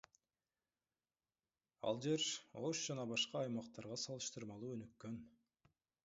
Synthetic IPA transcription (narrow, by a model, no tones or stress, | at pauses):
ɑ̰lˠd͡ʒe̞ɾoʃd͡ʒɑnɑbɑʃqɑːjmɑqt̪ɑɾʁɑsɑlˠɯʃt̪ɯɾmɑlˠuːø̞nykːø̞n